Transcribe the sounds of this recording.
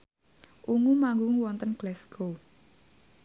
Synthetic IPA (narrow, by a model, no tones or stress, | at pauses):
ʔuŋumaŋɡuŋwɔnt̪ənɡ̥lɛsɡ̥o